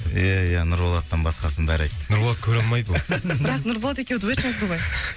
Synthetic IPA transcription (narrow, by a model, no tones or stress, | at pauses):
ijæijænʊɾolˠɑt̪ːəɴbɑsqɑsənbæɾejt̪nʊɾboɑt̪̚kʲʰɵɾɑlˠmɑjd̪əbɪɾɑqnʊɾbolˠɑt̪e̞kʲewd̪uwetʃɑzd̪əbɑj